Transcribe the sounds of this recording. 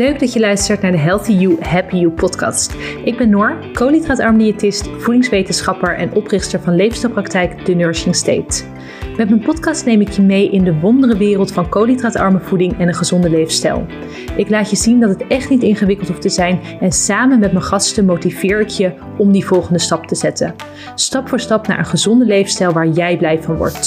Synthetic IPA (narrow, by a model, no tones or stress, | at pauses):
løɥɡdɑtjəlœɥstəɹtnaːɹdəɦɛlˠθijuɦɛpijupɔtkɑ̰ːstʔɪɡ̚bɛnːɔɹkowlitraːtɑɹmdiatɪstfudɪŋsʋejtənsχɑpəɹʔɛ̰nʔɔprɪχtəɹvɑnlejfstɛlˠprɑktɛjkd̥ənøːɹsɪŋstḛjt | mɛtmənpɔtkɑstnejmɪkjəmejʔɪndəʋɔndərəʋɪːrəlˠtfɑnkowlitraːtɑ̰ɹməv̥udɪŋɛnənχəzɔndəlejfstɛ̰lˠ | ʔɪklaːtjəzindɑtətɛχtnitɪnχəʋɪkəlˠtɔftəzɛjn | ɛnsaːmənmɛtmənχɑstəmowtiv̥ɪːɹɪkʰjə | ɔmdivɔlˠχəndəstɑptəz̥ɛtə̰ | stɑpfʊːɹstɑpna̰ːɹənχəzɔndəlejfnstɛlˠʋaːɹjɛjblɛjvɑnʋɔ̰ɹt